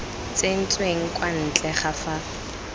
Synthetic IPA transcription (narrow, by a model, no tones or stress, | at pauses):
t͡sen̩t͡sʼweŋ̩kʼwan̩t͡ɬʼɛχafa